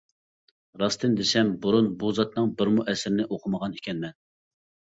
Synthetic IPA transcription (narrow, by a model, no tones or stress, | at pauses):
ɾɑst̪ʰɨnd̪esɛmbuɾunbuzɑt̪nɨŋbɪɾmuʔɛsɾɪnɪʔoqʰəməʁɑnikʲʰɛnmɛn